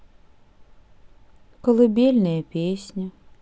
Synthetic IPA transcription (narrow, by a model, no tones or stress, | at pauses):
kɔlˠɪbʲelʲnɐjɛpʲesʲnʲɐ